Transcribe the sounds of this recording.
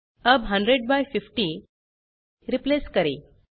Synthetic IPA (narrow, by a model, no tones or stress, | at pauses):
əbɦə̃ɳɖɾeɽ̚bajfifʈi | ɾipleskəɾḭ